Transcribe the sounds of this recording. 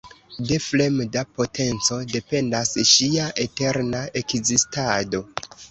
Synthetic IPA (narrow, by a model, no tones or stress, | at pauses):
de̞fle̞mdapo̞tʰe̞nt͡so̞de̞pe̞ndasʃiaʔete̞ɾnae̞kzistado̞